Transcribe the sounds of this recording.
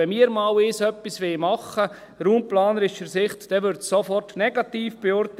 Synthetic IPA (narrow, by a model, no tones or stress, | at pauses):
ɛmiːəɾmɑːwɪsœpːisʋɪmɑχə | ɾuːmplɑːnəɾɪʃəɾsɪχtd̥ɛʋʏɾtsɔfɔrtnɛɡ̥ɑtiːfb̥eɔɾt